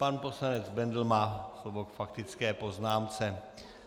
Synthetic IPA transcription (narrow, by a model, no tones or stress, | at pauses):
panpo̞slanɛd͡zbɛnd̪l̩maːslovokfakt̪ɪt͡skɛːpo̞znaːmt͡sɛ